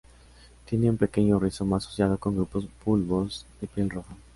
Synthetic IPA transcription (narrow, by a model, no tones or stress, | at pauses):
t̪je̞neumpe̞ke̞ɲo̞riso̞maso̥sjað̞o̞ko̞ŋɡɾupo̞spulβo̞zðepje̞lroxa